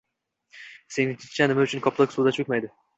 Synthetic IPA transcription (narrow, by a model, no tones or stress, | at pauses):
se̞nɪt͡ʃ̪ʰi̥t̪t͡ʃʰænɪmæyt͡ʃʰynkʰɒplˠɑksuːd̪at͡ʃʰøkʲmajd̪ɪ